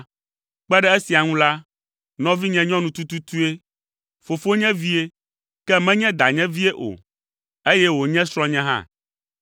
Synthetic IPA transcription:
k͡pɛ˦ɖɛ˦e˦si˨a˨ŋũ˦la˦ | nɔ̃˦vi˦ɲɛ̃˦ɲɔ̃˦nũ˨t̪u˦t̪u˦t̪u˦e˦ | fo˨fo˦ɲɛ̃˦vi˦e˦ | kɛ˦mɛ̃˦ɲɛ̃˦d̪a˨ɲɛ̃˦vi˦e˦ʔo̰˨ | e˦jɛ˦wo˨ɲɛ̃˦sɾɔ̃˦ɲɛ̃˦ɦã̰˦

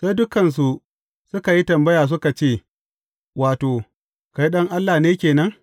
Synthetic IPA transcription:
sa˦jdʊ˦kɐ˨ns̬u˨ʔ | sʊ˦ka˨ji˦tɐ˨mbɐ˦jaː˨s̬ʊ˦ka˨t͡ʃeː˦˨ | waː˨toː˨ | ka˦ji˦ɗɐ˦ŋʔa˦lːa˨neː˦kʲeː˨nɐ˦ŋ

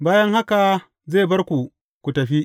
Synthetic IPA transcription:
baː˦jɐ˦ŋha˦ka˨ | zeː˦˨bɐ˦rkʷu˨ | kʷu˨tɐ˨ɸi˦ʔ

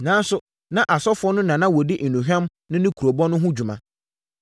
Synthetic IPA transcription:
nãː˨˦n˦sʊ˨ | nã˨ʔa˨sɔ˦fʊ˨˦ɔ˦nʊ̃˦nã˨nã˦wɔ˨di˦ʔ̩˨nũ˨ɦᶣã˦m | nʊ̃˦nɪ̃˦kʰu˨o˨bɔ˦nʊ̃˦ɦʊ̃˦d͡ʑu˨mã̰˨

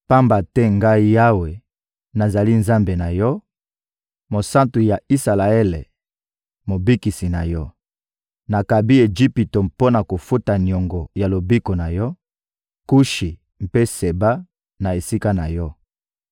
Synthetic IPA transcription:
pa˦mba˨tɛ˦ŋɡa˦i˦ja˦we˨ | na˨za˨li˦nza˦mbe˨na˨jɔ˦ | mo˨sa˦ntu˨ja˨i˦sa˨la˨ɛ˦le˨ | mo˨bi˦ki˨si˨na˨jɔ˦ | na˨ka˨bi˦e˨d͡ʒi˦pi˨to˨mpo˦na˨ko˨fu˦ta˨njɔ˨ŋɡɔ˨ja˨lo˨bi˦ko˨na˨jɔ˦ | ku˦ʃi˨ | m̩˨pe˦se˨ba˦ | na˨e˨si˦ka˦na˨jɔ˦

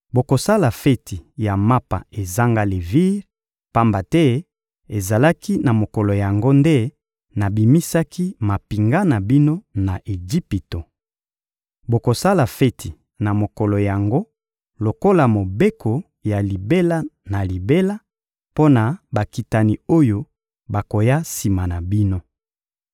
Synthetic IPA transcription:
bo˨ko˨sa˦la˨fɛ˦tʰi˨ja˨ma˦pa̰˨e˨za˦ŋɡa˦le˨vi˦ʁ | pa˦mba˨tɛ˦ | e˨za˨la˦ki˦na˨mo˨ko˨lo˨ja˨ŋɡo˦nde˦ | na˨bi˨mi˦sa˦ki˦ma˨pi˨ŋɡa˦na˨bi˦no˦na˨ʔe˨d͡ʒi˦pi˨to˨ | bo˨ko˨sa˦la˨fe˦tʰi˨ | na˨mo˨kɔ˨lo˨ja˨ŋɡo˦ | lo˨ko˦la˨mo˨be˦kʰo˨ | ja˨li˨be˦la˦na˨li˨be˦la˦ | po˦na˨ba˨ki˨ta˨ni˨o˦jo˦ | ba˨ko˨ja˦si˨ma˨na˨bi˦no˦

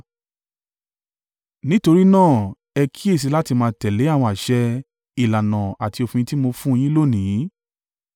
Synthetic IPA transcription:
nĩ˦to˧ɾi˦nãː˦˨ | ɛ˧kʰi˦e˦˨s̬i˧˦la˦ti˧mãː˧tɛ˨le˨˦a˦˨wɔ̃˧a˨ʃɛ˧ | i˨la˨nã˨a˨ti˧o˧fĩ˧jĩ˧˦ti˦mo˧fũ˦˧j̃ĩ˦lo˦˨nĩ˨˦

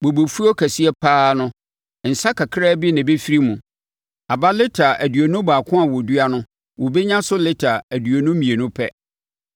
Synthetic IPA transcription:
bo˨bo˨fu˦ɔ˦kʰæ˨si˦ɛ˦pʰaː˦nʊ̃˦ | n̩˨sa˦kʰa˨kʰɾaː˦bi˦nɪ̃˨be˦fi˦ɾi˦mũ˨ | a˨ba˦lɪ˦tʰa˨ʔæ˨dɥo˨nʊ̃˦baː˨kʰʊ̃˦a˨wɔ˨du˦a˦nʊ̃˦ | wɔ˨be˦ɲã˦sʊ˦lɪ˦tʰa˨æ˨dɥo˨nʊ̃˦mĩ˨e˨nʊ̃˦pʰɛ˦

